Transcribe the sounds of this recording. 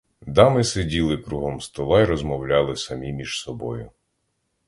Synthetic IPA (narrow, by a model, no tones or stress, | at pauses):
d̪ɑmɪsedʲilˠɪkɾuɦɔmst̪ɔlˠɑiɾɔzmɔwlʲɑlˠɪsɐmʲimʲiʒ̥sɔbɔ̰jʊ